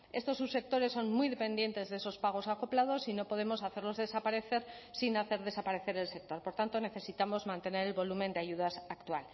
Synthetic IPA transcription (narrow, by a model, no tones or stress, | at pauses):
e̞st̪o̞sːuse̞k̚t̪o̞ɾe̞sːo̞nmujðe̞pe̞nd̪je̞nt̪e̞zðeeso̞spaɣ̞o̞sako̞plað̞o̞sino̞po̞ð̞e̞mo̞saθe̞ɾlo̞zðe̞sapaɾe̞θe̞ɾsinaθe̞ɾð̞e̞sapaɾe̞θe̞ɾelse̞k̚t̪o̞ɾpo̞ɾt̪ant̪o̞ne̞θe̞sit̪amo̞zmãnt̪e̞ne̞ɾe̞lβo̞lumẽ̞nd̪eaʝuð̞asakt̪wal